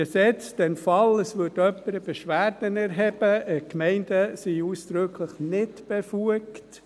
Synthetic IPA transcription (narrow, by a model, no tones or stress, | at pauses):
əsɛt͡sd̥ɛnfɑləsʋʏdœpːəɾəb̥eʃʋæːɾd̥ənɛɾɦɛb̥əəkmɛɪndəsiuːsd̥ɾɵkʰləχnɪtb̥efuəkt